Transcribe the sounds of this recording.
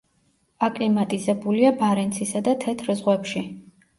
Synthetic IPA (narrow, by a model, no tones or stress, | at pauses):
akʼlimat̪ʼizɛbuliabaɾɛnt̪sʰisad̪at̪ʰɛt̪ʰɾzʁwɛpʃi